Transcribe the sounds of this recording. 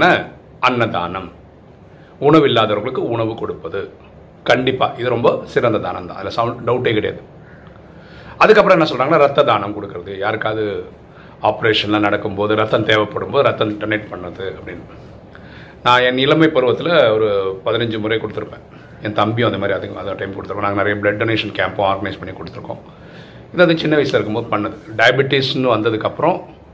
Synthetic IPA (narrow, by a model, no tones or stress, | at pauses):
nɐ | ɐnːɐd̪a̰ːnɐm | ʊɳɐʋɪlːaːðɐʋɐɾɣɐɭɯkːɯʊɳɐʋɯkɔɽɯpːɐðɯ | kɐɳɖɪpːa̰ːʔɪðɯɾɔmbɐsɪɾɐnd̪ɐd̪a̰ːnɐ̰mt̪ã̰ːɐðɪlɐsɐʊɳɖɐʊʈːeːkɪɽɐja̰ðɯ | ɐðɯkːɐpːɯɾɐ̃nãːsɔlraːɡɐnːaːɾɐt̪ːɐd̪aːnɐmkɔɽɯkːɪɾɐðɯjaːɾɯkːaːðɯ | aːpɐɾeːʂɐnlãːnɐɽɐkːɯmpoːðɯɾɐt̪ːɐmt̪eːʋɐpːɐɽɯmpoːðɯɾɐt̪ːɐ̃mʈɐnɐʈ̚pɐɳːɾɐðɯɐpːɐɽɪnː | nãːɛnɪlɐmɐɪpɐɾɯʋɐt̪ːɪlɐɔɾɯpɐðɪnɐɲd͡ʒɯmʊrɐɪkɔɽɯt̪ːɯɾɯpːẽː | ɛnt̪ɐmbɪjõɐnd̪ɐmaːd̪ɾiɐðɯŋɡɐ̰̃ɐðʈɐɪmkɔɽt̪ːɯɾpːẽnaːŋɡɐnɪɾɐjɐblɛɖɖɐːneːʂɐnkaːmpõaːɾɡɐnɐɪspɐɳːikɔɽɯt̪ːɯɾɯkːõ̰ː | ɪðɯɐðɯt͡ʃɪnːɐʋɐɪsɪlɐɪɾɯkːɯmboːðɯpɐɳːɐðɯɖɐjɐbɪʈːɪsnɯʋɐnd̪ɐðɯkːɐpːɯɾɔ̃